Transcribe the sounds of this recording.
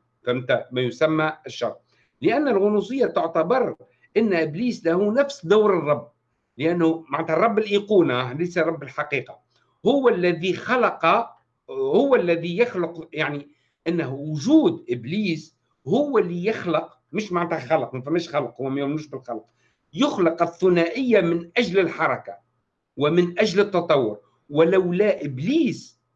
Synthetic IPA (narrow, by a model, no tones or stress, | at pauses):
fæmt̪æmæjʊsæmːæʃːɑ̰rˤ | lɪʔænːɪlɣʊnus̬ˤɨjːat̪ʊʕt̪abɑɾˤ | ʔɪnːʔɪbliːslæhunæfsd̪awɾɨrˤːɑbː | lɪʔænːʊmaʕnt̪hærˤːɑbːɪlʔiːquːnalejsarˤɑbːɪlħaqiːqɑ | hʊwːælːæðixɑlɑqɑ | hʊwːælːæðijɪxlʊqjaʕni | ʔɪnːhwʊʒuːd̪ʔɪbliːs | hʊwːælijɪxləq | mʊʃmaʕnt̪hæxɑləqmæfæmːæːʃxɑlqhʊwːæmæjʊmnuːʃbɪlxɑlq | jʊxləqɪθːʊnæʔɪjːamɪnʔæʒləlħɑɾˤɑka | wɪmɪnʔæʒlət̪ːɑt̪ˤɑwːʊɾ | wɪlæwlæʔɪbliːs